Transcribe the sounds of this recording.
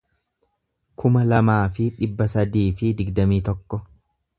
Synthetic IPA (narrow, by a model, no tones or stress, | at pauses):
kʰʊmɐlɐmaːfɪᶑɪbːɐsɐd̪iːfɪd̪ɪɡd̪ɐmiːt̪ɔkːɔ